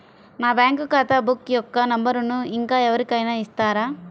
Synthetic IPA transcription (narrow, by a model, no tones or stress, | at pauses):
naːbjaːŋkukaːt̪aːbukːijɔkːɐnɐmbɐɾunuiŋkaːɛʋɐɾikɐjnɐist̪aːɾaː